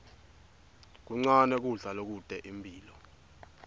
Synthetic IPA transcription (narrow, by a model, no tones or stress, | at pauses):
k̬uŋ͡ǀanɛk̬uɮalok̬ud̥ʱɛʔimbʱiːlɔ